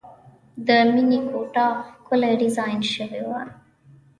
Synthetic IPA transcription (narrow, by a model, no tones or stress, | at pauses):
d̪əminikʰoʈɑxkʊleɖɪzɑjnʃəwewaɾ